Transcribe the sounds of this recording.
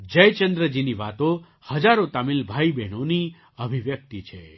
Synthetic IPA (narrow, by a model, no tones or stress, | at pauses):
d͡ʒəjt͡ʃənd̪ɾəd͡ʒiniʋat̪o | həd͡ʒaɾot̪amilbʱajbɛnoni | əbʱiʋjək̚t̪it͡ʃʰe